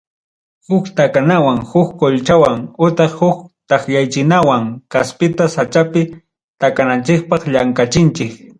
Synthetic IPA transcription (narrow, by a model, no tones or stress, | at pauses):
hʊkt̪akanawaŋhʊkkoʎt͡ʃawaŋʊt̪eχhʊkt̪ɑχjajt͡ʃɪnawaŋkaspɪt̪asat͡ʃapɪ | t̪akanant͡ʃɪk̚pɑχʎaŋkat͡ʃɪnt͡ʃɪk